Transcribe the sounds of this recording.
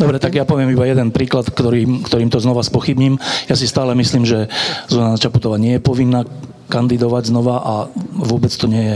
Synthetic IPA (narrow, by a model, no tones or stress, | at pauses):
d̪ɔbɾɛt̪aɡjapɔʋɪɛmibajɛd̪ɛnpɾiːklat̪kt̪ɔɾimkt̪ɔɾiːmt̪ɔznɔʋaspɔxibɲimjasist̪aːlɛmisliːmʒɛzunanat͡ʃaput̪ɔʋaːɲɪɛjɛpɔʋinːaː | kand̪id̪ɔʋaɟznɔʋaʔaʋʊɔbɛt͡st̪ɔɲɪɛjɛ